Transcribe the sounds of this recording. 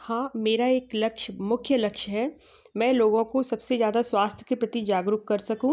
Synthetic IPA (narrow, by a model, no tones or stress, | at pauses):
hãːmeːɾaeːklɐkʃmʊkʰjəlɐkʃɦɛː | mɛ̃ːloːɡõkosɐbsezjaːd̪aswaːst̪ʰjəkepɾɐt̪id͡ʒaːɡɾʊkkːɐɾsɐkũː